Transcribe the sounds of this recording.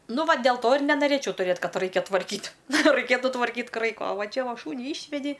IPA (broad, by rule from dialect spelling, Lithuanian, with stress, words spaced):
ˈnʊ ˈʋɐ dʲɛlˠ ˈtoː ɪr nʲɛnɐˈrʲeːt͡ʃʲɛʊ tʊˈrʲeːt ˈkɐt ˈrɐɪkʲɛ tʋɐrʲˈkʲiːtʲ rɐɪˈkʲeːtʊ tʋɐrʲˈkʲiːtʲ ˈkrɐɪkoː oː ˈʋɐ ˈt͡ʃʲɛ ˈʋɐ ˈʃuːnʲiː ˈɪʃʲʋʲɛdʲɪ